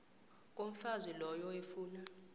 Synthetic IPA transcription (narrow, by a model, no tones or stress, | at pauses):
k̬ʼom̩fazilɔjɔefuːna